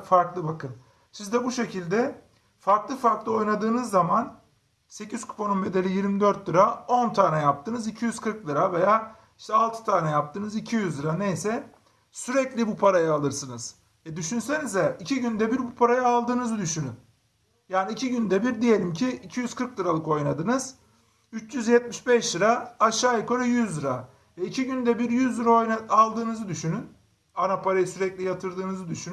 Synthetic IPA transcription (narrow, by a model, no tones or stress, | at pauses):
faɾklˠɯbakʰɯn | sizd̪ɛbuʃe̞cʰilʲd̪ɛ | faɾklˠɯfaɾklˠɯo̞jnad̪ɯːnɯzːaman | se̞cʰiz̥kʰu̥pʰo̞numbe̞d̪e̞lʲijiɾmid̪øɾt̪lɯɾao̞nt̪ʰaːnɛjap̚t̪ʰɯːnɯzicʰijyz̥kʰɯɾklˠɯɾave̞jaː | iʃt̪ɛalˠt̪ʰɯ̥t̪ʰaːnɛjap̚t̪ʰɯːnɯzicʰijyzd̪ɯɾanejsɛ | syɾɛclʲibupʰaɾajaːlˠɯɾsɯnɯz̥ | ɛd̪yʃynse̞nizɛicʰiɟynd̪ɛbiɾbupʰaɾajaalˠd̪ɯːnɯzɯd̪yʃynyn | jaːniːcʰiɟynd̪ɛbiɾd̪ije̞lʲimcʰiicʰijyz̥kʰɯɾklˠɯɾalˠɯko̞jnad̪ɯnɯz̥ | yt͡ʃjyzjɛt̪̚miʃbɛʃd̪ɯɾaːʃaːjɯkʰoɾajyzd̪ɯɾa | vɛicʰiɟynd̪ɛbiɾjyzd̪ɯɾaojnaalˠd̪ɯːnɯzɯd̪yʃynyn | anapʰaɾajɯsyɾɛclʲijat̪ʰɯɾd̪ɯːnɯzɯd̪yʃynyn